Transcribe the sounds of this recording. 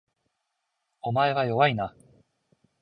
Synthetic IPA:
o̞mae̞βajo̞βaina

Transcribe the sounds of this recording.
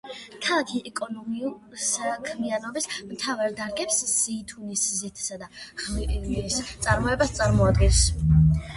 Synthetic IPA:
t̪ʰak̪ʰiʔɛkʼɔnɔmiulˠ | sakʰmianɔbismt̪ʰavaɾd̪aɾɡɛpsz̥iːt̪ʰuniszit̪ʰsad̪aχliist̪sʼaɾmɔɛbast̪sʼaɾmɔad̪ɡɛns

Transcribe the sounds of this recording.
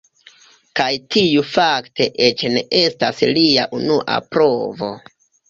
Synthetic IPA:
kajtʰiufakte̞ʔet͡ʃne̞ʔe̞staslia̰ʔunuʔa̰pɾo̞vo̞̰

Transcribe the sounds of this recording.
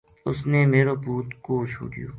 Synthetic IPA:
ʊsnemeːɾoːbuːt̪kot͡ʃʰṵːʈijo̰ː

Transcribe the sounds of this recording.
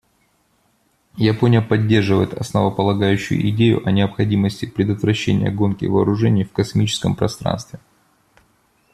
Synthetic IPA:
jɪponʲɪjəpɐdʲːe̞rʐɨvə̰jɪt̪ɐsnəvəpəlˠɐɡajʉɕːʊ̰jʊ̰ʔɪdʲejʊ̰ʔɐnʲɪəpxɐdʲiməsʲtʲɪpɾʲɪd̪ət̪vɾɐɕːḛnʲɪ̰jə̰ɡo̞nkʲɪ̰vɐːɾʊʐɛnʲɪjfkɐsmʲit͡ɕɪ̥skəmpɾɐst̪ɾa̰nst̪vʲɪ

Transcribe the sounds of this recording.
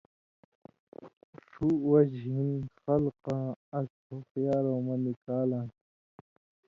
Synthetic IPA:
ʂuwɐd͡ʑɦinxɐlqãːɐsʰ | oxjaːɾõːmɐnikaːlãː

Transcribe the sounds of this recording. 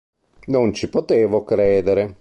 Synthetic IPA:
nont͡ʃipot̪eːvokɾɛːd̪eɾe

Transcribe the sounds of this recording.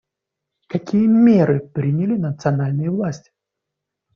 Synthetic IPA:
kɐkʲijəmʲeɾɨpɾʲinʲɪlʲɪnət̪sɨɐnalʲnɨjəvlˠasʲtʲɪ̥

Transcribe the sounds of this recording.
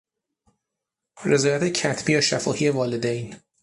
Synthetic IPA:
re̞zɒːjæt̪ʰecʰæt̪ʰb̥iːjɒːʃæfɒːhiːe̞vɒːle̞d̪ejn

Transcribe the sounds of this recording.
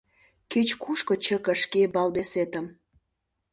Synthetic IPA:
ket͡ɕkuʃkŏt͡ɕəkə̆ʃkebɑlbeset̪əm

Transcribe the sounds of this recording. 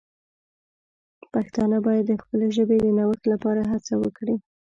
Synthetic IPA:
paxt̪ɑnəbɑjad̪ːəxpəleʒəbed̪ənawəxlapɑɾaɦat͡sawəkɽi

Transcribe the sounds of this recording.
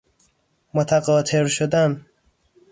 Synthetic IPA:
mot̪ʰæɡɒːt̪ʰeɾʃod̪æn

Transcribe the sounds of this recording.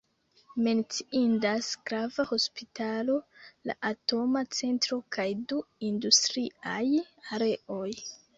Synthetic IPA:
me̞nt͡siindasɡ̥ɾavaho̞spitalo̞la̰ʔato̞mat͡se̞ntɾo̞kʰajduindustɾiajaɾe̞o̞j

